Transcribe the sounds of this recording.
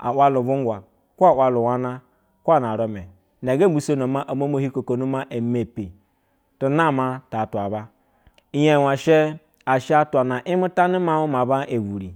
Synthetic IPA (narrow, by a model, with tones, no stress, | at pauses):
a̰˨wʷa˦lu˨vu˦ŋ˦ɡʷa˨ | ku˦a˨wa˨lu˨wa˦na˦ | kʷa˦na˨ɾo˨me˨ | n˨a˨ɡe˦˨˦u˨˦so˦no˨ma˦ʔa˨mo˦mo˦hi˦ko˨ko˨nu˦ma˦ʔe˨me˨pi˨ | tu˦na˦˨ma˦ta˨twa˨ba˦ | i˦je˦˨wa˨ʃe˦ | a˨ʃe˦a˦ta˨na˨ʔi˦mu˦ta˦ni˦ma˦mu˦ma˨ba˦ʔe˨ɡu˨ɾḭ˨